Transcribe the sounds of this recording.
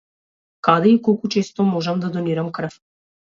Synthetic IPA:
kad̪ɛikɔlˠkut͡ʃɛst̪ɔmɔʒamd̪ad̪oniɾamkɾ̩f

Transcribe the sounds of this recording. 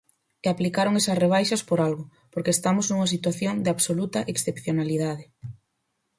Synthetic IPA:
eaplikaɾoŋesɐsreβ̞ajʃɐspoɾalɣʊ | poɾkest̪amʊznuŋɐs̬it̪waθjoŋd̪ɪaβsolut̪ɐʔeksθepθjonaliðaðɪ

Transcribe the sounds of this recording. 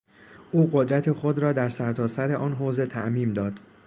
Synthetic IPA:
ʔuːɢod̪ɾæt̪ʰexo̞d̪ɾɒːd̪æɾsæɾt̪ʰɒːsæɾe̞ʔɒːnɦoːze̞t̪ʰæʔmiːmd̪ɒːd̪̥

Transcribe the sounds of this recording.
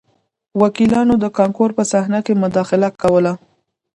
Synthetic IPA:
wakilɑnod̪əkɑŋkoɾpəsahnakemʊd̪ɑxɪlakawəla

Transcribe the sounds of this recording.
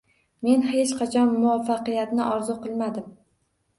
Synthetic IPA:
me̞nhe̞t͡ʃqʰɑt͡ʃʰɒnːʊwafːɑqɨjat̪nɪʔɒɾzʊqʰɨlˠmad̪ɪm

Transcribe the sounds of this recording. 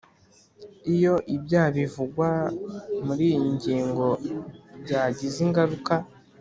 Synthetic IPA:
ijo̞ʔibjaːβivuɡwa | muɾiːiɲɟiːŋɡo̞bɟaːɟiziŋɡaɾuka

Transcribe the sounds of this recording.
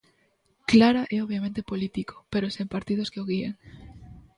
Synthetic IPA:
klaɾaʔeoβjamẽnt̪epolit̪iko̥peɾosempaɾt̪ið̞oskeoɣieŋ

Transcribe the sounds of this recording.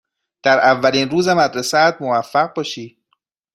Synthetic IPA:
d̪̥æɾʔævːæliːnruːzemæd̪ɾesæt̪movæfːæɣ̚bɒːʃiː

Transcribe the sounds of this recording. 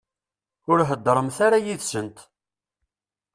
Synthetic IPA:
ʊɾɦəd̪ːɾˤəmθaɾajiðsənt̪

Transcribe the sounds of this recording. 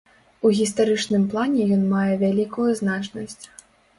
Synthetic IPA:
uɣʲist̪aɾɨt͡ʂnɨmplˠanʲɛjɔnmajɛvʲalʲikujuznat͡ʂnɐsʲt͡sʲ

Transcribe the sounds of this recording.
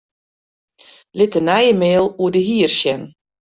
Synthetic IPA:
lɪtənɛjəmeːlˠuədəɦiːərʃjɛn

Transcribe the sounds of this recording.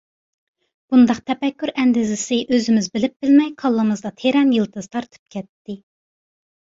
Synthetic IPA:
b̥und̪ɑqt̪ʰɛpɛkʲːyɾɛnd̪ɪzɪsɪʔøzɪmɪzbɪlɪp̚b̥ɪlmɛjqʰɑlˠːɨmɨzd̪ɑt̪ʰeɾɛnjɨlˠt̪ɨz̥t̪ʰɑɾt̪ʰɨ̥p̚kʲʰɛt̪ːɪ

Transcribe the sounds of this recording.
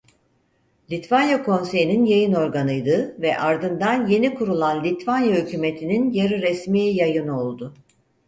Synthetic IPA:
lʲit̪vanjakʰo̞nse̞jininjajɯno̞ɾɡanɯjd̪ɯvɛʔaɾd̪ɯnd̪anje̞nikʰuɾulˠanlʲit̪vanjahycyme̞t̪ʰininjaɾiɾɛsmiːjajɯno̞lˠd̪ʊ

